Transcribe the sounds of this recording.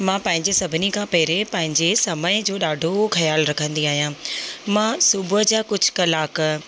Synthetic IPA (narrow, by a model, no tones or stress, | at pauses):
mãːpɐ̃ɦɪ̃ɲd͡ʑesɐbʱɪnikʰãːpɐɦɪɾepɐ̃ɦɪ̃ɲd͡ʑesɐməɪd͡ʑoːɗaːɖʱoxɐjaːlɾɐkʰə̃nd̪iaːɦijãːmãsʊbəd͡ʑaːkʊd͡ʑʱʊkɐlaːk